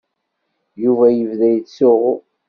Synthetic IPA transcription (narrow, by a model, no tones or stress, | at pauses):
juvæjəvðæjsʊʁʊ